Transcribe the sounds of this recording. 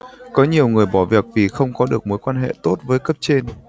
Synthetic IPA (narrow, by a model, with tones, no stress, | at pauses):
kɔ˨˦ɲi˨˩əwŋɨ˨˩əjɓɔ˧˩vi˨˩ək̚vi˨˩xə˧wŋ͡mkɔ˨˦ɗɨ˨˩ək̚mo˨˦jkwaː˧nɦḛ˧˨t̪o˦˥t̚vəː˨˦jkə˦˥p̚t͡ɕe˧n